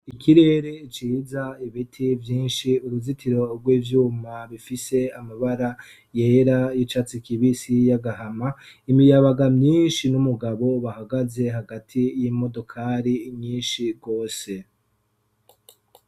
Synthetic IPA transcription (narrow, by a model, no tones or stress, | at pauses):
ikiɾe̞ːɾeit͡ʃiːzaiβitʰivjiːnʃiuɾuzitʰiɾo̞ɾɡwiːvjuːmaβifise̞amaβaɾa | je̞ːɾajit͡ʃat͡sikiβisijaɡaɦamaimijaβaɡamɲiːnʃinumuɡaβo̞βahaɡaze̞ɦaɡatʰijimo̞do̞kʰaːɾimɲiːnʃiɡo̞ːse̞